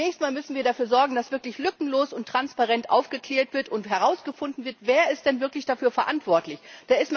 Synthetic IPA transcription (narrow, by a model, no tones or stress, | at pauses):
ɛːçstmaːlmʏsn̩viːɐɾafyːɐzɔɐɡŋ̩dasv̥ɪɐklɪçlʏkŋ̩loːsʊntʁ̥anspaʁɛntʔa̰ʊfɡ̥əkl̥ɛːɐtv̥ɪɐtʊntɦɛʁ̞aʊsɡ̥əfʊndn̩vɪɐtv̥eːɐɪstd̥ɛnvɪɐklɪçd̥afyːɐfɛɐʔantv̥ɔɐtlɪçd̥aːɪst